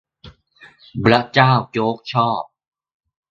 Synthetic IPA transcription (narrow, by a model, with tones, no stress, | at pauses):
pɾa˦˥t͡ɕaː˥˩wt͡ɕoː˦˥k̚t͡ɕʰɔː˥˩p̚